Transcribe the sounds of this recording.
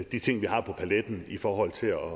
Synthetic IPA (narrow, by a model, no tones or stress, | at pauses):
d̥it͡sʰe̝ŋ̰ʋihɑ̈pʰɒ̽pʰæled̥n̩ifɒːɦɒ̽l̰t͡sʰe̝lɒ